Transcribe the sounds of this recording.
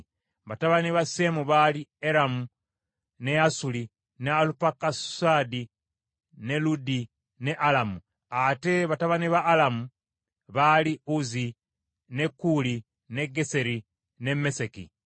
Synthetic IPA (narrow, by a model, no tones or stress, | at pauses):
βataβaniβase̞muβalieɾamu | ne̞asuli | nealupakasadi | ne̞ludi | ne̞ʔalamu | ate̞βataβaniβaːlamu | βaliuzi | ne̞kːuli | ne̞ɡese̞ɾi | ne̞mesekḭ